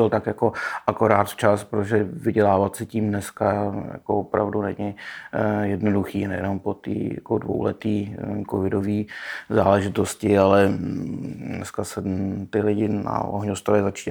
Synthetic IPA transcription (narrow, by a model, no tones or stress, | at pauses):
ɪlt̪akjako̞ʔako̞ɾaːt̪t͡ʃaspɾot̪oʒɛvɪɟɛlaːvat̪sɪciːmnɛskaja̰koopɾavdunɛɲɪ | jɛdnoduxiːnɛ̰jɛ̰no̞mpot̪ḭːja̰kodvo̰wlɛ̰t̪iːkovɪdoviːza̰ːlɛʒɪt̪oscɪalɛ | nɛ̰skasɛt̪ɪlɪɟɪna̰o̰ɦɲost̪oɾaɪzat͡ʃi̥